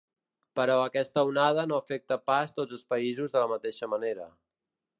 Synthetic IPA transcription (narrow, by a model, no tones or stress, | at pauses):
pəɾɔəkɛst̪əunað̞ənoəfɛk̚t̪əpast̪od͡zəlˠspəizuzðələmət̪eʃəməneɾə